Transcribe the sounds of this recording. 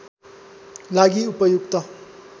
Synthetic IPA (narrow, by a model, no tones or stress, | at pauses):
laɡiupʌjuk̚t̪ʌ